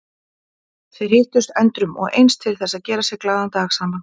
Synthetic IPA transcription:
θeɥɾ̥hɪːht̪ʏst̪ɛnt̪ɾʏmɔ̰ɣḛjnst̪ʰɪlθɛsaðcɛːɾasjɛɣklaːðant̪axsaːman

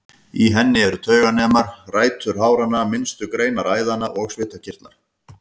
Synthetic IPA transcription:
iɦɛnːɪɛɾʏt̪ʰœːɥɣanɛːmaɾ̥raːjt̪ʰʏɾ̥ɦaːwɾanːamɪnst̪ʏkɾeːjnaɾaːjðanaʔɔɣsvɪːt̪acʰɪr̥t̪naɾ̥

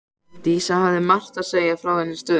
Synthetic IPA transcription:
t̪iːsahavðɪmal̥t̪aðseːjafɾawhɛnːɪ̥st̪œː

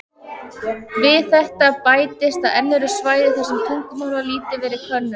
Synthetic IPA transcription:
vɪðθɛht̪apaːjt̪ɪst̪aðɛnːɪɾʏ̥svaːjðɪθɛsɛmt̪ʰuŋ̥kʏmawɾvaliːt̪ɪvɛːɾɪ̥kʰvœnːʏm

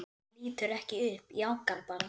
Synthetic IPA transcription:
liːt̪ʏɾɛhcɪʏhpjawŋ̥kaɾpala

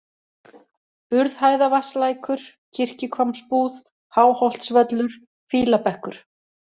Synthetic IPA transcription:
ʏɾðhaːjðavaslaːjkʏɾ̥ | cʰɪr̥cɪkʰvamspuːð | haːwhɔwl̥t̪svœt̪lʏɾ̥ | fiːlapɛhkʏɾ̥

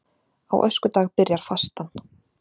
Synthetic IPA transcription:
a̰wʔœ̰skʏt̪aːɣpɪɾjaɾ̥fast̪an

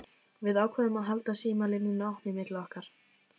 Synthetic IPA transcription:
vɪðaːwkʰvɛːðʏmaðɦalt̪asiːmalɪnːɪnawhnɪmɪt̪lɔhkaɾ̥

